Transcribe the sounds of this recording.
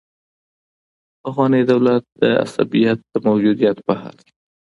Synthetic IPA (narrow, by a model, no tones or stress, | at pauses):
afɣɑnid̪awlat̪̚d̪əa̰sa̰bijat̪̚d̪əmawd͡ʒud̪ijat̪bəha̰l